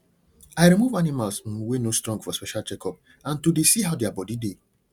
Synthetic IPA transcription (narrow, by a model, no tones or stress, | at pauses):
aɪɾimuvanɪmalsm̩wenostɾɔ̃ŋɡfɔspɛʃalt͡ʃɛkɔp̚ | ãntudesiɦaʊdeabɔdide